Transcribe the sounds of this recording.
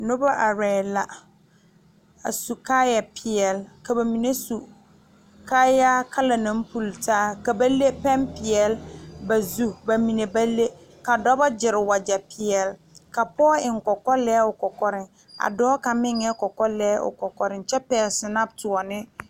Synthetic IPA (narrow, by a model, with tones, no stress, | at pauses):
nʊ˦ba˦ʔa˨ɾɛː˨la˨ | a̰˨su˨kaː˦ja˨pʰɪ˨ɛ˨lka˨ba˨mi˨ne˦su˨ | kaː˦ja˦kʰa˦la˨nã˨˦m˦pu˨ltaː˦ka˨ba˦le˦pɛ˦mpɪ˨ɛ˨lba˨zu˦ba˨mi˨ne˨ba˦le˦ | ka˨dɔ˦ba˦d͡ʒɪ˨ɾɪ˨wa˨d͡ʒa˨pɪ˨ɛ˨l | ka˨pɔː˦ɪ˨ŋ˨kɔ˨kɔ˦lɛː˦ʊ˨kɔ˨kɔ˦ɾɪ˨ŋ | a̰˨dɔː˦ka˨mɪ˦ŋɛ˦kɔ˨kɔ˦lɛː˦ʔʊ̰˨kɔ˨kɔ˨ɾɪ˨nt͡ʃɛ˦pɛː˨lsɪ˨na˦b̚tʊ˨ɔ˨nɪ˦